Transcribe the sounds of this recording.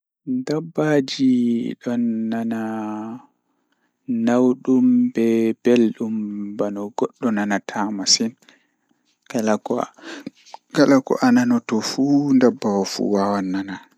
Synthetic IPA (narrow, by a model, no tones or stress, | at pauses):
ndabːad͡ʒiɗɔnːana | nawɗumbɛb̥elɗumbanɔɡɔɗːɔnanatʰamasin | kalakɔ | ɡalakɔ̰ʔananɔtɔfundabːawafṵwawanːana